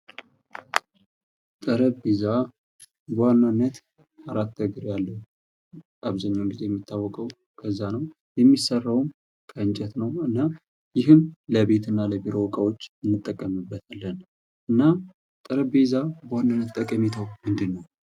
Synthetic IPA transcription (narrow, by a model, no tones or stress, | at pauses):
t̪ʼəɾəbeza | bəwanːanːət̪ | aɾat̪ːəɡɨɾjalːəhu | aβzaɲːawnɡize̞jɛmːit̪ʰːawːɔkʼəw | kʰəzːanəw | jɛmːisərːawm | kʰəɨnd͡ʒɛt̪nəwɨnːa | jɪɦɨmləβe̞t̪ɨnːaləbiɾo̞wɔkʼawo̞t͡ʃːɨnːɨt̪ʼːəkʼːəmɨbːət̪ʰalːən | ʔɨnːa | t̪ʼəɾəbezabəwanːanːət̪t̪ʼːəkʼəmit̪ʰəwmɨnd̪ɨnːəw